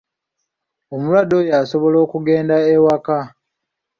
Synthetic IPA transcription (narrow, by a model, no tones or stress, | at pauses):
omulwado̞jaːso̞βo̞lo̞ːkuɡe̞ːndaewaka